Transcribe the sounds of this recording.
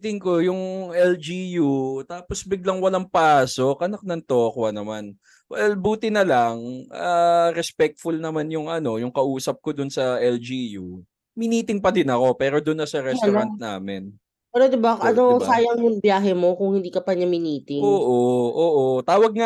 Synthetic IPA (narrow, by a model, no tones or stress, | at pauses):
t̪ɪŋko̞jʊŋʔɛld͡ʒijut̪aːposbɪɡ̚lɐŋwɐlaŋpaːso̞k̚ʔɐnɐk̚nɐŋt̪oːkwɐnɐman | wɛlbuːt̪ɪnɐlɐŋʔaɾɛspɛk̚t̪̚fʊlnɐmanjʊŋʔɐno̞jʊŋkɐʔuːsɐp̚kod̪ʊnsɐʔɛld͡ʒiju | mɪniːt̪ɪŋpɐd̪ɪnɐko̞pɛːɾo̞d̪ʊnːɐsɐɾɛɐnt̪̚na̰ːmɪn | pɛɾod̪ɪbaʔɐnosaːjɐŋmʊŋbjaːɦɛmo̞kʊŋhɪnd̪iːkɐpɐɲɐmɪniːt̪ɪŋoːʔoʔoːʔo̞t̪aːwɐɡ̚ŋa